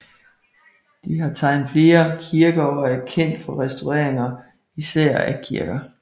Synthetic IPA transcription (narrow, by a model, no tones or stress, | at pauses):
d̥iɦɑ̈t͡sʰɑ̈ɪ̰n̩ˠfle̝ːɐkʰiɐɡ̥ɐɒæɐkʰen̰d̥fɒ̽ʁɛsd̥ʰoʁɛɐ̰eŋɐ | isæɐ̰æ̰kʰiɐɡ̥ɐ